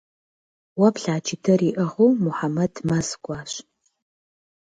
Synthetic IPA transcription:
wɐpɬaːt͡ʃʰɪtʰɐriːʔɐʁowmʊħamɐdmɐzkʷʼɑːɕ

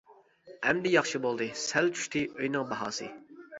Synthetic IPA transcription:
ɛmd̪ɪjɑχʃɨbolˠd̪ɨsælt͡ʃʰy̥ʃt̪ʰɪøjnɨŋbɑɦɑ̰ːsɨ̰

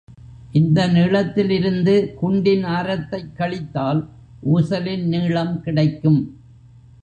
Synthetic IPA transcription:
ʔɪnd̪ɐniːɭɐt̪ːɪlɪɾɯnd̪ɯkʊɳɖɪnaːɾɐt̪ːɐɪkːɐɭɪt̪ːaːl | ʔuːsɐlɪnniːɭɐmkɪɽɐɪkːɯm

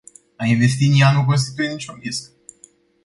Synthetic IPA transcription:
ainve̞st̪inijanuk̬o̞ns̬t̪it̪ujenit͡ʃʲumpist̪

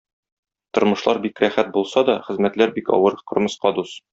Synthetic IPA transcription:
t̪ŏɾmɤ̆ʃlˠɑɾbikɾæχæt̪̚bulˠsɑd̪ɒχɘ̆zmæt̪læɾbikɒ̰wɤɾqŏɾmɤ̆sqɑd̪us

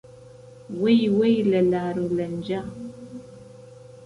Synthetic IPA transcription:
wejwɛjləlaɾulənd͡ʒa

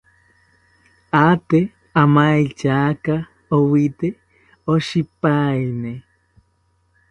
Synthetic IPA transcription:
at̪e | amajt͡ʃaka | owit̪e | oʃipajne

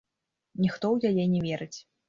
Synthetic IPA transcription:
nʲixt̪ɔwjajɛnʲɛvʲɛɾɨt͡sʲ

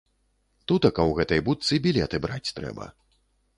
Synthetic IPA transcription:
t̪ut̪ɐkɐwɣɛt̪ɐjbut̪sɨbʲilʲɛt̪ɨbɾat͡sʲt̪ɾɛ̰bɐ̰

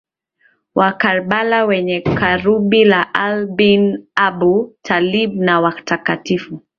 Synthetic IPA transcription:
wʔakaɾɓalawɛɲɛkaɾuɓilaʔalbinaɓutʰaliɓnawatakatifu

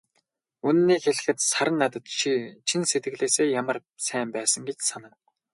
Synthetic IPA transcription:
unnːiːxeɮɘ̆xɘ̆t̪saɾə̆nːat̪ə̆t̪ʃit͡ɕʰinset̪̚ɡɘ̆ɮeːseːjamə̆r | sæːmpæːsə̆ŋɡet͡ɕsanə̆k

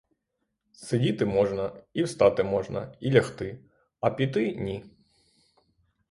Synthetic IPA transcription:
sedʲit̪ɪmɔʒnɐiwst̪ɑt̪ɪmɔʒnɐ̰ilʲɐxt̪ɪ | ɐpʲit̪ɪnʲi

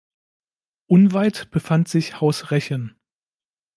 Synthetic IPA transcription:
ʔʊnvaɪtb̥əfantz̥ɪçhaʊsʁɛçən

